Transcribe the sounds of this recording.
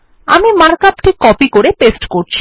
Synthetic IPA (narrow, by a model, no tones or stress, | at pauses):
a̰mimaɾkapʈʰikːɔpikoɾepesʈkoɾt͡ɕʰi̥